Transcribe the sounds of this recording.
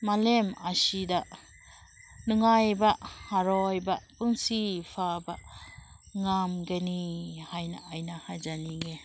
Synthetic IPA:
malemasida | nɯŋajbɐhaɾɔjbapɯŋsipʰaba | ŋamɡenihajnaajnahajzaniɡe

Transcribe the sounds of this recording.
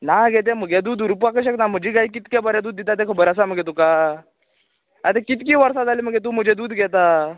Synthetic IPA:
naɡʱet̪̬ɛ̃m̤əɡjad̪uːd̪uɾupuakəɕək̪nam̤əd͡ʑiɡaikit̪kjabəɾjad̪uːd̪̚ːit̪at̪̬ẽkʰəbəɾas̬aməɡet̪uka | at̪ekit̪kiʋəɾsad͡z̪aliːməɡet̪̬um̤əd͡ʑed̪uːd̪ɡʱɛt̪a

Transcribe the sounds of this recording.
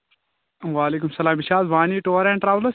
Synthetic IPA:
waːleːkumsɐlaːmiʃaːzʋaːniːʈoːɾẽːɳʈɾaːʋlɐ

